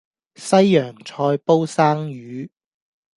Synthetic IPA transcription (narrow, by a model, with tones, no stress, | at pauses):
sɐ˥jːœː˨˩ŋt͡ʃʰɔː˧jpo˥wsaː˥ŋjyː˨˧˥